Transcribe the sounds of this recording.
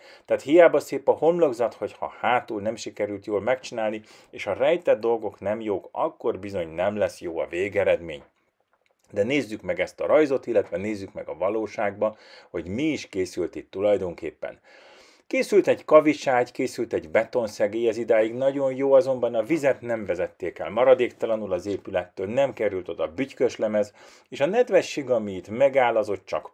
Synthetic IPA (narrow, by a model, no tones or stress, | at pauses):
t̪ɛːt̪hijaːbɒseːpɒho̞mlo̞ɡzɒt̪ho̞chɒ̰haːt̪uːnɛmʃikɛɾylt̪joːlmɛkt͡ʃinaːlni | eːʃhɒrɛjt̪ɛd̪̚ːo̞lɡo̞knɛmjoːkɒ̰kːo̞rbizo̞ɲnɛmlɛsjoːɒ̰veːɡɛɾɛd̪mḛːɲ | d̪ɛneːzːykmɛɡɛst̪ɒ̰ɾɒjzo̞t̪ilːɛt̪ʋɛneːzːykmɛ̰ɡɒvɒloːʃaːɡbɒho̞ɟmiːʃkeːsylt̪it̪ːulɒjd̪o̞ŋkḛːpːɛ̰n | keːsylt̪ɛɟkɒviʃaːɟkeːsylt̪ɛɟbɛt̪o̞nsɛɡeːjɛzid̪aːjiɡnɒɟo̞njoːɒzo̞mbɒnɒvizɛt̪nɛɱvɛzɛt̪ːeːkɛ̰lmɒɾɒd̪eːkt̪ɒlɒnulɒzeːpylɛt̪ːøːlnɛmkɛɾylt̪o̞d̪ɒbyckøʃlɛmɛz | eːʃɒnɛd̪ʋɛʃːeːɡɒmiːt̪mɛɡaːlːɒzo̞t̪t͡ʃɒk